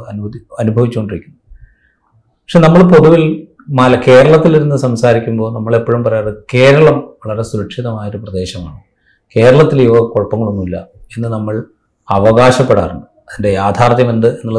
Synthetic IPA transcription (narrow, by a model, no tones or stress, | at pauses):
ɐnuɐnubʱɐʋit͡ɕːukoɳɖiɾikʲːunːɐ | pɐkʂe̞nɐmːɐɭp̬o̞ðuʋil | mɐːlɐke̞ːɾɐɭɐt̪ːiliɾunːɨsɐmsaːɾikʲːumbo̞ːnɐmːɐɭe̞pːoɻumpɐrɐjaːrɨke̞ːɾɐɭɐmʋɐɭɐɾe̞suɾɐkʂiðɐmaːjoɾuprɐd̪e̞ːɕɐmaːɳɨ | ke̞ːɾɐɭɐt̪ːiliʋɐko̞ɭpɐŋːɐɭonːuilːɐe̞nːɨnɐmːɐɭ | ɐʋɐɣaːɕɐpːeɽa̰ːruɳɖɨ | ɐðindejaːd̪ʱaːrt̪jɐme̞nd̪ɨe̞nːuɭːɐ